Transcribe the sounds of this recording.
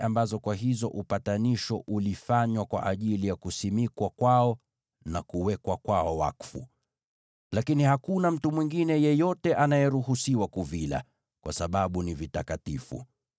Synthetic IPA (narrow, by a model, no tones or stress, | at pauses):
ʔambazɔkwaɦizɔʔupataniʃɔʔulifaɲwakwa̰ʔaʄilijakusimikwakwaɔ | nakuwɛkwakwaɔwa̰kfṵ | lakinihakunam̩tumwiŋɡinɛjɛjɔtɛʔanajɛɾuhusiwakuvila̰ | kwasaɓaɓunivitakatifṵ